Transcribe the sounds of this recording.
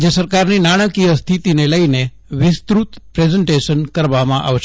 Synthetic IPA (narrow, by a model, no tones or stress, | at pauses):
d͡ʒesəɾkaɾninaɽ̃əkijəst̪ʰit̪ineləine | ʋɪst̪ɾut̪pɾezəɳʈeʃənkəɾʋamãʔa̰ʋʃ